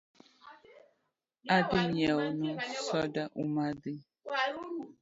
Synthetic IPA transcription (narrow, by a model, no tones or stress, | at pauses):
adɪɲɛnũsɔdaʔumadɪ